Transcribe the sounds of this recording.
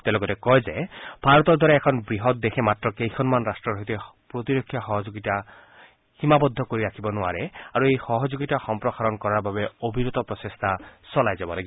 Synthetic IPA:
t̪ɛlɔkɔtɛkɔjzeb̥ʱaɾɔt̪ɔɾd̪ʱwaɾaɛkʰɔnbɹiɦɔt̪̚d̪exʰemat̪ɹɔkejkʰɔnmanɾastɹɔɾɔɦit̪epɾot̪iɾɔkʰːjaxɔɦɔd͡ʒoɡita | himabɔd̪ʱːɔkoɹiɾakʰibɔnʊa̰ɾeaɾuejxɔɦɔd͡ʒoɡitaxɔmpɹɔxaɾɔnkɔɹaɹbabeobʱiɾot̪ɔpɹɔsest̪ʰasɔlajzabɔlaɡibɔ

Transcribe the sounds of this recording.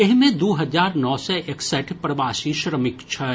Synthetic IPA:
ɪɦmẽd̪uːɦɐzaːɾnɔːsɛʔɪksəʈʰpɾɐʋaːʃiʃɾəmɪkt͡ʃʰɐ

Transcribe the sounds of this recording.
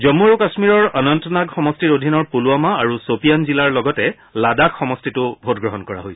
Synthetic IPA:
zɔmuɹukasmiɹɔɹanɔntɔnaɡxɔmɔstiɹodʱinɔɹpuluamaaɹusopijanzilaɹlɔɡɔtɛ | ladakxɔmɔstitʊbʱotɡɹɔɦɔnkɔɹa̰ɦoj

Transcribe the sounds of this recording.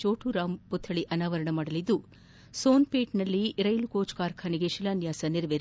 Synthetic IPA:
t͡ʃoːʈuɾaːmput̪ʰːɐɭiʔɐnaːʋɐɾɐɳɐmaːɽɐlid̪ːu | soːnpeːʈnɐlːiɾɐjlukoːt͡ʃkaːɾkʰaniɡeʃilaːnjaːsɐniɾɐʋeɾ

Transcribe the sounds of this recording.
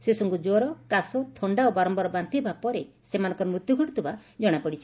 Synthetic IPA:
sesɔŋkud͡ʒoɾɔkasɔt̪ʰɔɳɖaobaɾɔmbɔɾɔbant̪ibapɔɾe | semanɔ̃ŋkɔɾɔmɾut̪juɡʱɔʈit̪ubad͡ʒɔɽ̃apɔɽit͡ʃʰi

